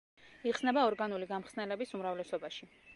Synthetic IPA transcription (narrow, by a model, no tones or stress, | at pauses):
iqsnɛbaɔɾɡanuliɡamχsnɛlɛbisumɾavlɛsɔbaʃi